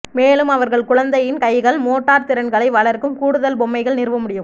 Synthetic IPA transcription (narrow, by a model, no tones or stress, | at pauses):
meːlɯmɐʋɐɾɣɐɭkʊɻɐnd̪ɐjɪnkɐɪɣɐɭmoːʈːaːɾt̪ɪɾɐnɡɐɭɐɪʋɐɭɐɾkɯmkuːɽɯðɐlbɔmːɐɪɣɐɭnɪrʋɐmʊɽɪjɯm